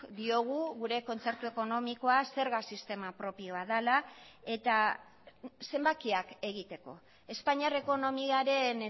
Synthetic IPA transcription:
d̪io̞ɣ̞uɣuɾe̞ko̞nt͡se̞ɾt̪ue̞ko̞no̞miko̞ase̞ɾɣasist̪e̞mapɾo̞pio̞aðalae̞t̪a | se̞mbakiake̞ɣ̞it̪e̞ko̞ | e̞spaɲiare̞ko̞no̞miaɾe̞n

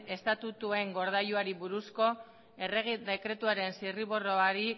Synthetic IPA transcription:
e̞st̪at̪ut̪ue̞ŋɡo̞ɾð̞ajuaɾiβuɾusko̞ | e̞re̞ɣid̪e̞kɾe̞t̪uaɾe̞nsiriβoroaɾi

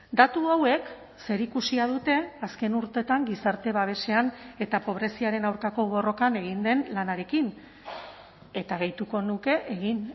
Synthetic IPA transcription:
d̪at̪uawe̞k | se̞ɾikusiað̞ut̪e̞aske̞nuɾt̪e̞t̪aŋɡisaɾt̪e̞β̞aβ̞e̞se̞ane̞t̪apo̞β̞ɾe̞siaɾe̞nawɾkako̞β̞o̞ro̞kane̞ɣ̞ind̪e̞nlanaɾe̞kin | e̞t̪aɣ̞ejt̪uko̞nuke̞ʔeɣin

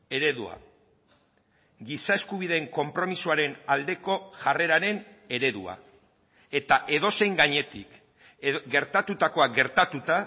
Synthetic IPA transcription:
e̞ɾe̞ðua̰ | ɡisae̞skuβ̞iðe̞ːŋko̞mpɾo̞misuaɾe̞nald̪e̞ko̞ʝare̞ɾaɾe̞n | e̞ɾe̞ðṵa̰ | e̞t̪aʔe̞ðo̞se̞jŋɡaɲe̞t̪ik | ɡe̞ɾt̪at̪ut̪ako̞aɡe̞ɾt̪at̪ut̪a

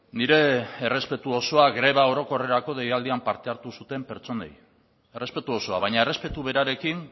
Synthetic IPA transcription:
niɾe̞ːre̞spe̞t̪uo̞so̞aɣɾe̞β̞ao̞ɾo̞ko̞re̞ɾako̞ðejald̪iampaɾt̪e̞aɾt̪usut̪e̞mpe̞ɾt͡so̞ne̞̰j | ere̞spe̞t̪uo̞so̞aβajɲaere̞spe̞t̪uβe̞ɾaɾe̞kin

